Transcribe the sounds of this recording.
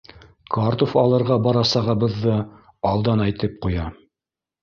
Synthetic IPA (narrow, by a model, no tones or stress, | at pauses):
kɑɾt̪ofɑlˠɤ̆ɾʁɑbɑɾɑsɑʁɤ̆bɤ̆ðːɤ | ɑlˠd̪ɑnæjt̪ɘp̚qujɑ